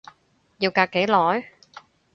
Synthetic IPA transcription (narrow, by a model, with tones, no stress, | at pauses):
jiː˧wkaː˧kːe˨˥jlɔː˨˥j